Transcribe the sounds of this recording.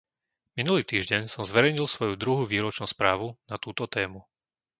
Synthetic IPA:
minuliːt̪iːʒɟɛɲsɔmzʋɛɾɛjɲilˠsʋɔjud̪ɾuɦuʋiːɾɔt͡ʃnuːspɾaːʋunat̪uːt̪ɔt̪ɛːmu

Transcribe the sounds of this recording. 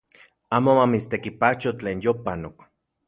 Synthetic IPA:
aːmomamit͡st̪ekipat͡ʃot͡ɬeːnjopanok

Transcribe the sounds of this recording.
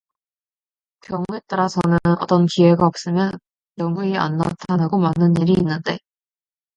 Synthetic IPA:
kjʌŋue̞t͈aɾasʰʌnɯnʌ̰t͈ʌnkiwe̞ɡaʌp̚s͈ɯmjʌn | jʌŋuia̰nːa̰tʰanaɡomanːɯniɾiːnːɯnde̞

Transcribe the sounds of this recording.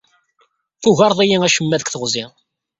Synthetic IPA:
θuʝɑɾˤðˤæjiŋæʃəmːæðəkʷθəʁzɪ

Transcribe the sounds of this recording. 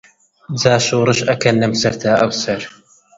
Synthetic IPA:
zaːʃuːɾˤɨʃʔɐkɐnːɨmsɐɾt̪ʰaːʔɐwsɐɾ

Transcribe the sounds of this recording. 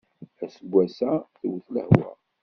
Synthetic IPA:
æsəɡʷːæsæθwəθlə̰hwæ̰

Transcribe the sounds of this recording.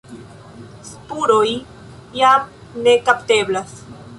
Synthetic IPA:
spuɾoj | jam | ne̞kapte̞blas

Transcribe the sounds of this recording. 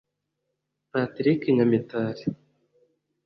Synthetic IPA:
pat̪ɾikiɲamit̪aːɾi

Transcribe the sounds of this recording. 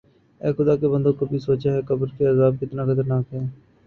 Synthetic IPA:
ɛːxʊd̪aːkebə̃nd̪õːkobisoːt͡ʃaːɦɛːkəbəɾkeəzaːb̚kɪt̪naːkʰət̪əɾnaːkɦɛː

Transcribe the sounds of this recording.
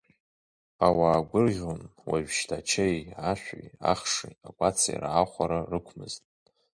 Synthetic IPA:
awaːɡʷʊrʁʲonwaʒᶣʃtʰat͡ʃʰejaʃʷᶣaja̰χʂiakʷʼat͡sʰa̰j̰rʕaχʷaɾarɨkʷʰmɨztʼ

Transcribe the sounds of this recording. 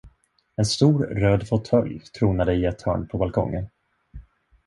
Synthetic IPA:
ɛnst̪uːɾɾøːd̪fʊt̪ʰœlːt̪ʰɾuːnad̪əɪɛt̪hœ̰ːɳpʰɔbalkʰɔ̰ŋːən

